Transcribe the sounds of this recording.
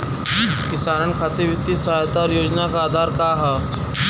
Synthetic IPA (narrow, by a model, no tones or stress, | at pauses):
kɪsaːɾənkʰaːt̪eʋjɪt̪ːisɐɦajt̪aɾjoːd͡ʒnakaːd̪ʱaːɾkaːɦɛː